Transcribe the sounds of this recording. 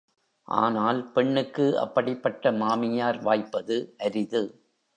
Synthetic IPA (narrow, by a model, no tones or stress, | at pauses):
ʔa̰ːnaːlpɛɳːɯkːɯɐ̰pːɐɽɪpːɐʈːɐmaːmɪjaːɾʋaːjpːɐðɯʔɐɾɪðɯ